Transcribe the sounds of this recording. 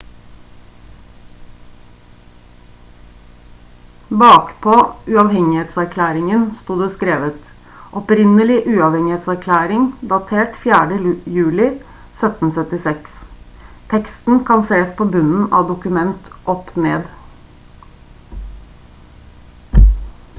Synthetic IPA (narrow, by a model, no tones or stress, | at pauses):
bɑːkpʰoːʉɑʋhɛŋɪheːt̪sæɾkʰlæːɾɪŋənst̪uːd̪əskɾeːʋət̪ | ʔɔpɾɪnəlɪʔʉːɑʋhɛŋɪheːt̪sæɾkʰlæːɾɪŋd̪ɑt̪ʰeːʈfjæːɖəjʉːlɪ | sœt̪n̩sœt̪ɪsɛks | t̪ʰɛkst̪n̩kʰɑnseːspʰoːbʉnn̩ʔɑ̰ʋd̪ʊkʉmɛnt̪ʔɔpneːd̪